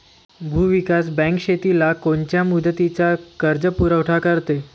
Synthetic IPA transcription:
bʱuːʋikasbɛ̃ŋkɕet̪ilakoɳt͡ɕjamud̪ʱət̪it͡sakəɾd͡zəpuɾəʋʈʰakəɾt̪e

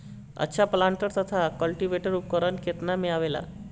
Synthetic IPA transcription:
ə̰ɕʰaplaɳʈəɾt̪ət̪ʰakəlʈiʋeʈəɾup̚kəɾənkʰet̪namiɭaʋela̰

